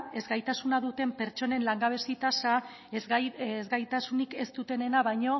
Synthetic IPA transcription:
e̞zɡajt̪asunaðut̪e̞mpe̞ɾt͡ʃo̞ne̞nlaŋɡaβe̞sit̪asa | zɣajt̪asunike̞st̪ut̪e̞ne̞naβajɲo̞

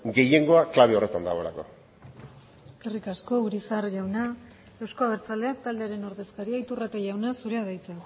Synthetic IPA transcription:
ɡe̞je̞ŋɡo̞aklaβeo̞re̞t̪and̪a̰ɣo̞la̰ko̞̰ | eske̞rikasko̞uɾisaɾʝawna | e̞wskoaβeɾt͡sale̞akt̪ald̪eaɾe̞no̞ɾðe̞skaɾiait̪urat̪eʝawnasuɾeaðajt͡se

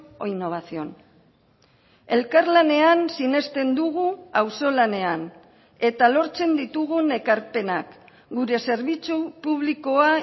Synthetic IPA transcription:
oino̞β̞asio̞̰n | e̞lkaɾlane̞ansine̞st̪e̞nd̪uɣ̞uawso̞lane̞an | e̞t̪alo̞ɾt͡se̞nd̪it̪uɣune̞kaɾpe̞nak | ɡuɾe̞se̞ɾβ̞it͡supuβliko̞a

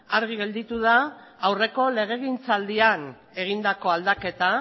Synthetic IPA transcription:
aɾɣ̞iɣe̞ld̪it̪uðaː | wre̞ko̞le̞ɣ̞e̞ɣint͡sald̪ian | e̞ɣ̞ind̪ako̞ald̪ake̞t̪a

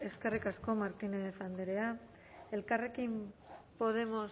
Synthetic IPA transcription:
e̞ske̞rikasko̞maɾt̪ineðesand̪eɾe̞a | e̞lkare̞kimpo̞ð̞e̞mo̞s

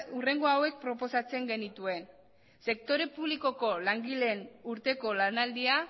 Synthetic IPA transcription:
ure̞ŋɡo̞awe̞k̚pɾo̞po̞sat͡se̞ŋɡe̞nit̪ue̞n | se̞kt̪o̞ɾe̞puβliko̞ko̞laŋɡile̞nuɾt̪e̞ko̞lanald̪ia

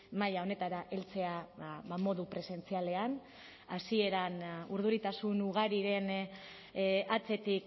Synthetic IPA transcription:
majao̞ne̞t̪aɾaʔe̞lt͡se̞aβamo̞ðupɾe̞se̞nt͡siale̞an | asie̞ɾanuɾðuɾit̪asunuɣ̞aɾiɾe̞n | at͡se̞t̪ik

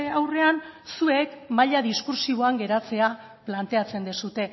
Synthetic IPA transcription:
awre̞ansue̞kmaʎaðiskuɾsiβo̞aŋɡe̞ɾat͡se̞a | plant̪e̞at͡se̞nd̪esut̪e̞

